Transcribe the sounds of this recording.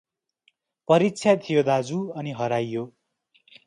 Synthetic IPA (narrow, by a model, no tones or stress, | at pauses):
pʌɾitːt͡sʰjat̪ʰijod̪ad͡zuʌniɦʌɾajːo